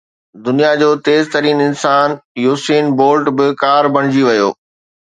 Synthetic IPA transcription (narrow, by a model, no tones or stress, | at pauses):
d̪ʊnijad͡ʑoːt̪eːzt̪ɐɾiːnɪnsaːnjuːsiːnboːlʈbɪkaːɾbɐɽ̃ɪd͡ʑiʋɐjo̰ː